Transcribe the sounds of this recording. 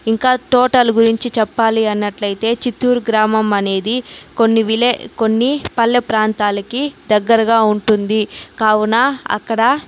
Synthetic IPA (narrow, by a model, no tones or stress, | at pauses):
iŋkaːʈɔːʈɐluɡuɾiɲt͡ʃit͡ʃɛpːaːliɐnːɐʈlɐjit̪e̞ːt͡ʃit̪ːuːɾɡɾaːmɐmɐne̞ːd̪iko̞nːiʋileko̞nːipɐlːɐpɾaːnt̪aːlɐkid̪ɐɡːɐɾɐɡaːuɳʈund̪ikaːwunaɐ̰kːɐɽɐ